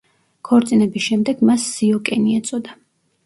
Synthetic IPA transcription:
kʰɔɾt̪sʼinɛbisʃɛmd̪ɛɡmasːiɔkʼɛniɛt̪sʼɔd̪a

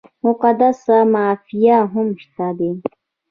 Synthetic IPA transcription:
mʊqad̪asamaːfijaɦʊmʃt̪ad̪e

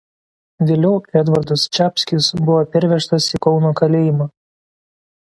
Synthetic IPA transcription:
ʋʲeːlʲɛʊɛd̪ʋɐɾd̪ɐst͡ʃʲæːpʲsʲkʲɪsbʊʋoːpʲɛɾʲʋʲɛʃt̪ɐsiˑkɒʊnoːkɐlʲeːjɪmɑː

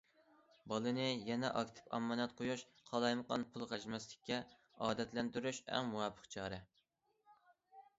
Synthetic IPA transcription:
bɑlˠɨnɨjɛnɛ̰ʔɑkʲt̪ʰɨ̥pɑ̰mːɑnɛt̪qʰojuʃ | qʰɑlˠɑjməqɑnpʰulˠʁæʒmɛslɪ̥kʲʰːɛ | ɑːd̪ɛt̪lɛnt̪yɾyʃɛ̰ŋmuwɛpʰːə̥qt͡ʃʰɑːɾɛ

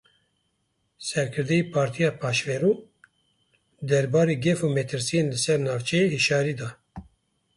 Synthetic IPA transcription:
sɛɾkʰɨɾd̪ɛiːpʰɑːɾt̪ʰijɑːpʰɑːʃvɛɾuː | d̪ɛɾbɑːɾeːɡɛfuːmɛt̪ʰɨɾsijenlɨsɛɾnɑːvt͡ʃʰɛjeiʃɑːɾiːd̪ɑː

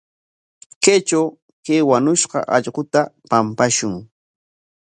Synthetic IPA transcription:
ket͡ʃaw | keːwanʊʃqɑ̰ʔɑʎɢʊt̪apampaʃʊŋ

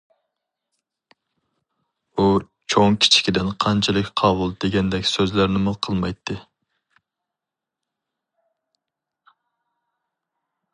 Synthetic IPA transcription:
u | t͡ʃʰoŋkʲʰi̥t͡ʃʰi̥kʲid̪ɪnqʰɑnt͡ʃʰɛlˠɪkʲqʰɑbulˠd̪eɡʲɛnd̪ɛkʲsøzlæɾnɪmʊqʰəlˠmɑjt̪ʰːɨ

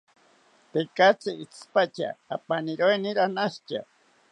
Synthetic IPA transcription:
t̪ekat͡siʔit͡sʰpat͡ʃa̰ːpaniɾoeniɾanaʃt͡ʃa̰

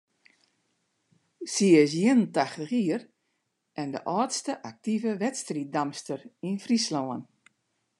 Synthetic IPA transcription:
siəs̬jɪənəntaxtəxiər | ʔɛndə̰ʔɔːtstəʔak̚tivəʋɛtstrit̚damstərinfrislɔːən

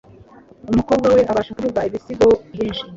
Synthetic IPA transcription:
umuko̞b̚ɡawe̞ʔaβaːʃekuvuɡwaiβisiɡo̞βjiːnʃi

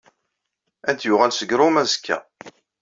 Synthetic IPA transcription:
ænt̪jʊʁælsəɡɾumæzkːæ̰

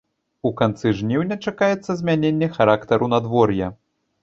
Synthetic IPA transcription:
ukant̪sɨʐnʲiwnʲɛt͡ʂakajɛt̪sːɐzʲmʲanʲenʲːɛxaɾakt̪ɐɾunad̪vɔrjɐ

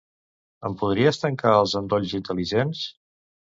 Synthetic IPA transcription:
əmpuð̞ɾiəst̪əŋkaəlˠzənd̪oʎʲzint̪əliʒens

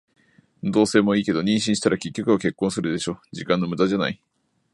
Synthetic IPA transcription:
d̪o̞ːse̞ːmo̞iːke̞d̪o̞ɲ̟ĩɕ̬ĩɕi̥t̪aɾakʲe̞kʲːo̞kɯ̟βake̞kːõsɨɾɯ̟d̪eɕo̞ːd͡ʑikãnːo̞mɯ̟d̪ad͡ʑana̰i

